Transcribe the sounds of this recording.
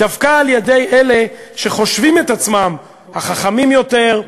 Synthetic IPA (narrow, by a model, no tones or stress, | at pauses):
davkaːljed̪ejʔele̞ʃe̞χo̞ʃvimet̪at͡smam | haχaχamimjo̞t̪e̞ʁ